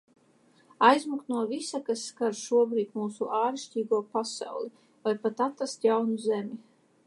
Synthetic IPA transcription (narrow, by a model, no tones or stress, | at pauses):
ajzmuknuɔvisakasːkaɾʃuɔbɾiːt̪muːsuʔaːɾiʃcʲiːɡuɔpasa̰wlˠi | vajpat̪at̪ast̪jawnuzɛmʲi